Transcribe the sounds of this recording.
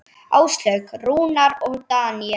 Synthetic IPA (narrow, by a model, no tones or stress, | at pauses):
aːwst̪lœɥkruːnaɾɔɣt̪aːni